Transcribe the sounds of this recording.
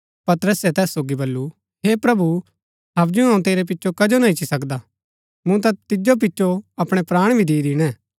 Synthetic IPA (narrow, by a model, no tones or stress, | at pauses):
pɐt̪əɾəsɛt̪ɛːsːoːɡibɐlːu | ɦeːpɾɐbu | ɦɐbd͡ʒũɦɐũt̪eːɾep̬ɪtːʃʰokɐd͡ʒonãit͡ʃisɐkd̪a | mũt̪̬ɐ̃t̪ɪd͡ʒop̬ɪtːʃoɐpɽ̃ɛpɾaːɽ̃bʱid̪iːd̪ɪɽ̃ɛ̃ː